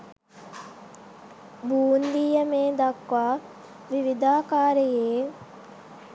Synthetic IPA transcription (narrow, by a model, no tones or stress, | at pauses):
buːnd̪iːjɐmeːd̪ɐkʋaː | ʋiʋid̪aːkaːɾejeː